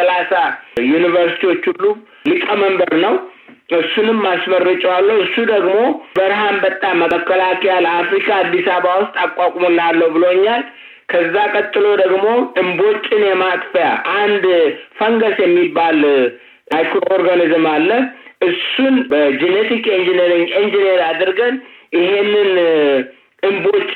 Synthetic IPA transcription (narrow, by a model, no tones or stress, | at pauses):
əlasajunɨvəɾsi̥t̪ʰiwo̞t͡ʃːhulːu | lɨkʼːəməmbəɾnəw | ɨsːunɨmːasmərːɨt͡ʃʼɛwalːəhɨsːud̪əɡmo̞bəɾɦambət̪ʼːamːəəkːəlakɛjaləafɾikʰaːd̪ːisaβawʊst̪ʼakʼwakʷʼmulːalːəwbɨloɲːal | kʰəzːakʼət̪ʼːɨlo̞d̪əɡmo̞ɨmbo̞t͡ʃʼːɪnjɛmakfəja̰ʔand̪fəŋɡəsjɛmːibal | ajkɾooɾɡanɨzɨmalːəʔɨsunbəd͡ʒenet̪ʰikʼnd͡ʒeneɾiŋind͡ʒeneɾad̪ɨɾɡənjɪhe̞nːɨn | ɨmbo̞t͡ʃʼː